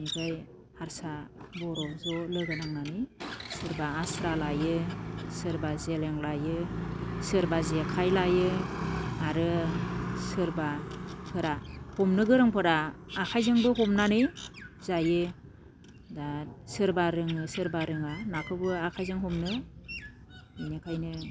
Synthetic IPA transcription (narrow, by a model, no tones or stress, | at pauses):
niɡaj | haɾsabɔɾɔzɔlɯɡɯdaŋnanɯjsɯɾbaːsɾalajɯsɯɾbazeleŋlajɯsɯɾbazekʰajlajɯ | aɾɯ | sɯɾbapʰɯɾahɔmnɯɡɯɾɯŋpʰɯɾaːkʰajzɯŋbɯɦɔmnanɯjz̥ajɯ | dasɯɾbaɾɯŋɯsɯɾbaɾɯŋanakʰɯbɯakʰajzɯŋɦɔmnɯ | inekʰajnɯ